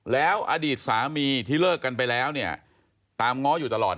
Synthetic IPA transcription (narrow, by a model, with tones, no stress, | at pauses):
lɛː˦˥wʔa̰ː˧diː˨˩t̪̚saː˩˦miː˧t̪ʰiː˥˩lɤː˥˩kːa˧npa˧jlɛː˦˥wni˥˩ɐ | t̪aː˧mŋɔ˦˥juː˨˩t̪a˧lɔː˨˩